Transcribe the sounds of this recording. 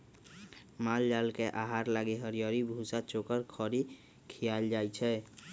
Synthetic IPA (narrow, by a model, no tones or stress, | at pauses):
mald͡ʒalkeʔaɦaɾlaɡeɦəɾijəɾibʱusat͡ʃokəɾkʰɔɾi | kʰijald͡ʒajt͡ʃʰɛ